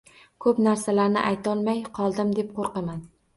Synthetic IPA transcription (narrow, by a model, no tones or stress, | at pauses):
kʰɵpnaɾsalaɾnɪ̰ʔajt̪ʰɒlˠmajqʰɒlˠd̪ɪmd̪e̞p̚qʰoɾqɑman